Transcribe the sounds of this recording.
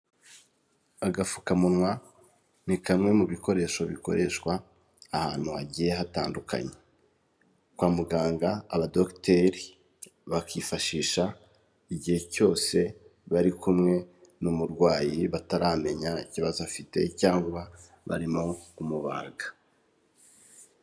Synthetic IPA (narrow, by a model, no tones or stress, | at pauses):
aɡafu̥kamunŋwa | nikamŋe̞muβiko̞ɾe̞ːʃo̞βiko̞̰ɾʔe̞ʃkwaː | haːn̥huaɟiːje̞ɦataːnduka̰ɲe | kwaːmuɡaːŋɡaaβado̞kteɾi | βakiːfaʃiːʃa | iɟihe̞co̞ːse̞βaɾikumŋe̞ | numuɾɡwaːjiβataɾaːme̞ɲaiciβazuafite̞̰caːŋɡuβa | βa̰ɾimo̞umuβa̰ːɡa